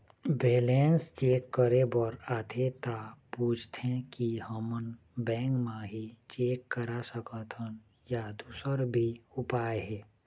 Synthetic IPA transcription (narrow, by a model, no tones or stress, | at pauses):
beːlẽːnst͡ʃeːkːəɾebəɾaːt̪ʰet̪apuːt͡ʃʰt̪ʰẽkihəmən | bɛ̃ːŋkmãɦit͡ʃeːkːəɾasəkət̪ʰən | jad̪uːsəɾbʱiʊpaːeɦɛː